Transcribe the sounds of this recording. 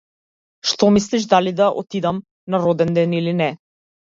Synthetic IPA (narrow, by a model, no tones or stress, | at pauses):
ʃt̪ɔmis̬liʃ̬d̪alid̪aʔɔ̰t̪id̪am | naɾɔd̪ɛnd̪ɛnilinɛ